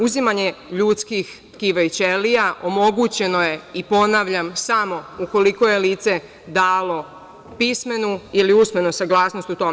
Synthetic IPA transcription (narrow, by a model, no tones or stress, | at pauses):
uzimaɲe̞ʎut̪skix | kiʋajt͡ɕelijaʔo̞mo̞ɡut͡ɕe̞no̞je̞ipo̞naʋʎamsamo̞uko̞liko̞jeliːt̪se̞ | d̪aːlˠo̞ | pisme̞nuiliusme̞nosaɡlˠaːsno̞st̪ut̪o̞m